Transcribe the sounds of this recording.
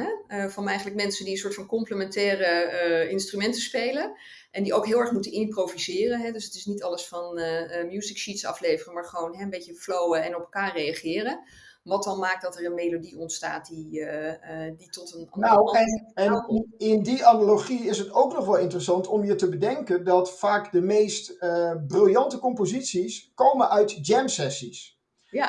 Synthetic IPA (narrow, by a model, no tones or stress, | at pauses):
ɦɛəvɑnɛjχənləkmɛnsəndiənsʊːɹtfɑnkɔmpləmɛntɛːrəɪnstrymɛntəspejlən | ʔɛndiʔowkɦɪːlˠɛɹχmutənɪmprowvizɪːrənɦɛdøsətɪsnitɑləsfɑnəmjuːzɪkʃitsɑ̰flejvərəmaːɹχəʋownɦɛəmbejcəflowəɛnɔpɛlˠkaːɹrejaχɪːrən | ʋɑtɑlˠmaːk̚dɑtəɹənmejlodiɔntsta̰ːt̚di | ditɔtənnowɛnɛnɪndianaloχiɪsɦətowknɔχʋɛlˠɪntərəsɑntɔmjətəbədɛŋkəndɑtfaːkdəmejstəbrɪlˠjɑntəkɔmpozitsiskowmənʔœɥtd͡ʒɛmsɛsis | ja